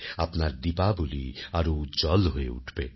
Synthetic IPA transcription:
apnaɾd̪ipaboliaɾod͡ʒɔlɦoeṵʈʰbe

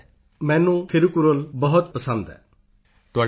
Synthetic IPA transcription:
mɛːnũkʰeɾukuɾolbəɦɔt̪pəsə̃nd̪ɛ̰ː | t̪ʊaː

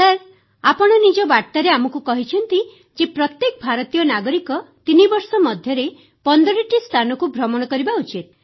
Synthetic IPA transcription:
t̪aɾ | apɔɽ̃ɔnid͡ʒɔbaɽt̪aɾeamɔkukɔɦit͡ʃʰɔnt̪i | d͡ʒepɾɔt̪jekɔbʱaɾɔt̪ijɔnaɡɔɾikɔt̪inibɔɾsɔmɔd̪ʱjɔɾe | pɔnd̪ɔɾiʈist̪ʰanɔkubʱɾɔmɔɽ̃kɔɾibaut͡ʃit̪̚

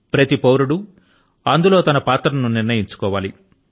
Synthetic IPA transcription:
pɾɐt̪ipɐwɾuɽu | ɐnd̪ulo̞ːt̪ɐnɐpaːt̪ɾɐnuniɾnɐjiɲt͡ʃu̥kɔːʋaːlḭ

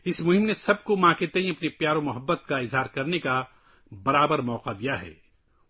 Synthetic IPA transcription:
ɪsmʊɦɪ̃mnesɐb̚komãːket̪eĩɐpnipjaːɾomʊɦəbːət̪̚kaɪzɦaːɾkɐɾneka | bɐɾaːbəɾmɔːqad̪ijaɦɛ̰ː

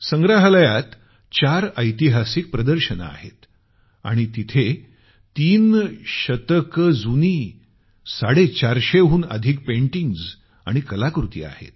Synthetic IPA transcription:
səŋɡɾaɦləjat̪ | t͡ɕaɾəjt̪iɦasik̚pɾəd̪əɾɕəna̰a̰ɦḛt̪ | a̰ɽ̃it̪it̪ʰe | t̪iːnɕət̪əkəd͡zuni | saɽet͡ɕaɾɕeɦuːnə̰d̪ʱik̚pẽɳʈiŋɡz | a̰ɽ̃ikəlakɾut̪ḭa̰hḛt̪̚

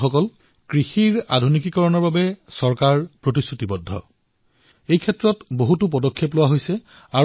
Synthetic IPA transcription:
xɔkɔl | kɹixiɹa̰dʱunik̬ikɔɹɔnɔɹbabɛsɔɹkaɹpɹotisːutibɔdʱːɔ̰ | ejkʰɛtːɹɔtboɦutup̬ɔdɔkʰːeplʊwaɦojsɛ | a

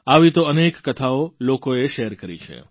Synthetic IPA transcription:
aʋit̪oənekːət̪ʰaolokoeʃeɦɾkəɾḭt͡ʃʰḛ

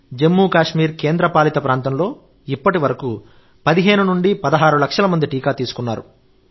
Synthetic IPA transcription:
d͡ʒe̞mːuːkaːʂmiːɾke̞ːnd̪ɾɐpaːlit̪ɐpɾaːnt̪ɐmlo̞ː | ipːɐʈiʋɐɾɐku | pɐd̪iɦe̞ːnunuɳɖipɐd̪ɐɦaːɾulɐkʂɐlɐmɐnd̪iʈiːkaːt̪iːsu̥kunːaːɾṵ

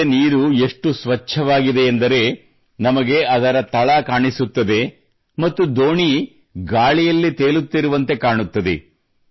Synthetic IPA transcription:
niːɾue̞ʂʈusʋɐt͡ʃʰːɐʋaːɡid̪e̞ːnd̪ɐɾe̞ | nɐmɐɡe̞ɐd̪ɐɾɐt̪ɐɭɐkaːɳisut̪ːɐd̪e̞ | mɐt̪ːud̪oːɳi | ɡaːɭijɐlːit̪e̞ːlut̪ːiɾuʋɐnt̪e̞kaːɳut̪ːɐd̪ḛ

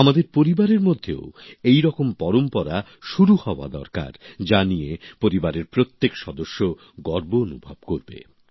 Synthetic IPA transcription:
amad̪eɾpoɾibaɾeɾmod̪ʱːeo̰ejɾɔkompɔɾompɔɾa | ʃuɾuhɔoa̰d̪ɔ̰ɾka̰ɾd͡ʑanijepoɾibaɾeɾpɾot̪ːekʃɔd̪oʃːo | ɡɔɾboonubʱab̚koɾbḛ

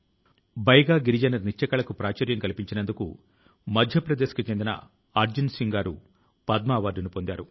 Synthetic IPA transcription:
bɐjɐɡaːɡiɾid͡ʒɐnɐɾnit͡ʃːɐkɐɭɐkupɾaːt͡ʃɐːɾjɐmkɐlipiɲt͡ʃinɐnd̪ukṵ | mɐd̪ʱjɐpɾɐd̪eːsɐ̥kit͡ʃend̪inɐ̰ | aːɾd͡ʒinsiŋɡaːɾu | pɐd̪maːʋaːɖunupo̞nd̪aːɾu

